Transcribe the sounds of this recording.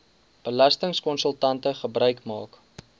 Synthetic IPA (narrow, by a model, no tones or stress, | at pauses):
b̥əlɐstəŋskɔnsəlˠtɐntəχəbrœɥkmɑːk